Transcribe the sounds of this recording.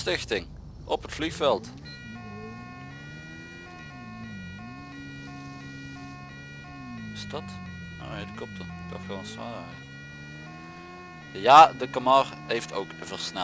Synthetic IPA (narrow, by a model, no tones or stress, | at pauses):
stɪχtɪŋ | ʔɔpɦətflixfɛlˠt | stɑt | o̰edəkɔp̚tək̚d̥ɑχɔsʋa̰ːɾa̰t | jaːdəkamɑrɦejfto̰wkəvərsnɛ